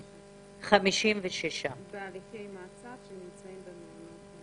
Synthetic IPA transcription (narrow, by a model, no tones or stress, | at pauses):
χamiʃimveʃeʃabealikejmaːt͡savʃenimt͡saimbemina